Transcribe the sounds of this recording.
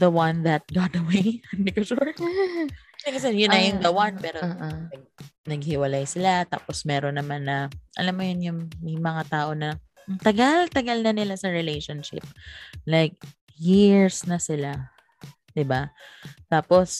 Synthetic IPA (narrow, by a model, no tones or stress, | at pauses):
ðɐwɐ̃nðɐt̪̚ɡɑt̪ɐweɪɐnd̪ɪkoʃuɹ | d̪ɪkɐsɛjʊnːɐjʊŋɡɐwanpɛːɾoɐɡ̚nɐɡ̚hɪwɐlajsɪlat̪a̰ːposmɛːɾonːɐmanːɐʔɐ̰lamːojʊnjʊŋmɐjmɐŋat̪aːʔo̞nɐ | t̪ɐɡalt̪ɐɡalnɐnɪlasɐɹɪlejʃonʃɪ̰p̚lajk̚ | jiɹsnɐsɪla | d̪ɪbat̪aːpos